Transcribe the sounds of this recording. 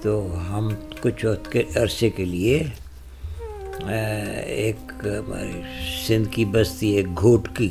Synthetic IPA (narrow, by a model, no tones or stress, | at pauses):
t̪oːɦɐmkʊt͡ʃʰɔːt̪keʔɐɾsekelie | ḛːkma̰ɾesɪ̃nd̪kibɐst̪ieːk̚ɡʱoːʈki